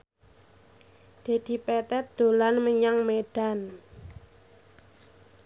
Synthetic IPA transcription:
d̪̥e̤d̪̥i̤pɛt̪ɛt̪̚d̪̥o̤lanməɲaŋmeɖ̥a̤n

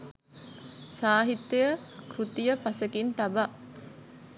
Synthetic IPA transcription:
saːɦit̪ːejəkɾut̪ijəpasəkint̪aba

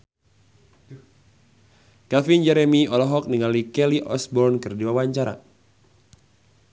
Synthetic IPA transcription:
kɛlfind͡ʒɛɾɛmiɔlɔɦɔk̚niŋalikɛliʔɔsbɔrnkɨrdiwawaɲt͡ʃaɾa̰

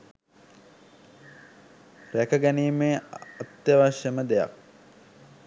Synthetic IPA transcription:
ɾækəɡæniːmeːɐt̪jəʋaʃjəməd̪eja̰k̚

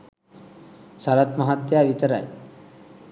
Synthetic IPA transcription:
saɾat̪məɦat̪jaʋit̪əɾa̰j

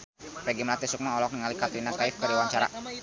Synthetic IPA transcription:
ɾɛɡɛmlat̪ɛsuk̚maɔlɔk̚nəŋalikat̪ɾinakaifkəɾdiwaɲt͡ʃaɾa̰

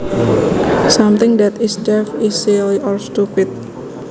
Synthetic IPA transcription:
samt̪ɪŋd̪ɛt̪isdɛfisiliʔɔlst̪upɪt̪̚

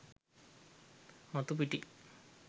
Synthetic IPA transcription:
mɐt̪upiʈːi

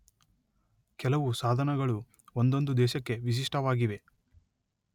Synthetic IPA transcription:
kɛlɐʋusaːd̪ʱɐnɐɡɐɭu | ond̪o̞nd̪ud̪ɛːʃɐkːe̞ʋis̬iʂʈʰɐʋaːɡiʋe̞

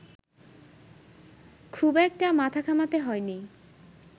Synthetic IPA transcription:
kʰubɛk̚ʈamat̪ʰakʰamat̪eɦɔeni

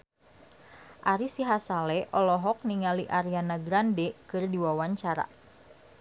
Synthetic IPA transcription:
ʔaɾisiɦasalɛʔɔlɔɦɔk̚niŋaliʔaɾianaɡɾandɛkɨrdiwawaɲt͡ʃaɾa̰

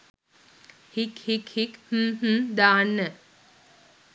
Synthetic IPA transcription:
hikhikhikh̩ɦ̩d̪aːnːə

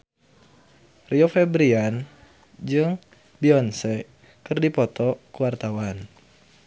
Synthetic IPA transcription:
riɔfɛbɾian | d͡ʒɨŋ | biɔnsɛ | kɨrdipɔt̪ɔkuwart̪awan

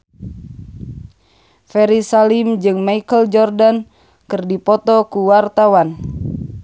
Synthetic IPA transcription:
fɛɾisalimd͡ʒɨŋmaikəld͡ʒɔrdan | kɨrdipɔt̪ɔkuwart̪awan

